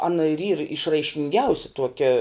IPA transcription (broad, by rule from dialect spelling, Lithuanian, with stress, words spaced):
ˈɑːnɐ ɪr iːr ɪʃrɐɪʃʲkʲɪŋʲˈɡʲɛʊsʲɪ ˈtuɔkʲɛ